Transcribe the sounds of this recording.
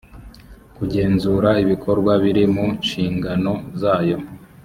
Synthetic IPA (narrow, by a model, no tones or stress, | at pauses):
kuɟe̞ːnzuːɾaiβikʰo̞ɾɡwaβiɾimunʃiːŋɡano̞zaːjo̞